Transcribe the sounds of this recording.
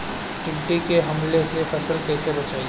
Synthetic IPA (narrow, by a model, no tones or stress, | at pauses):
ʈɪbɪʈikeɦɐmlesefɐsəlkɛːsebɐt͡ʃaːi